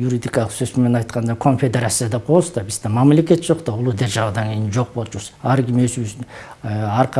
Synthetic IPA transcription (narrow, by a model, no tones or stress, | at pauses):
juɾid̪ijkɑlˠəqsøsp̪ɪmenɑjt̪qʰɑnd̪ɑkʰo̞nfʲe̞d̪e̞ɾat̪sijad̪ɑqʰo̞lˠsd̪ɑbɪsd̪emɑmle̞kʲe̞t̪ʒ̥o̞qt̪ɑʊlˠud̪e̞ɾʒɑwəd̪ɑŋɡʲʰejinʒo̞q̚bo̞lˠt̪ʒuɾsɑɾɡʲɪmesusɪnɑɾq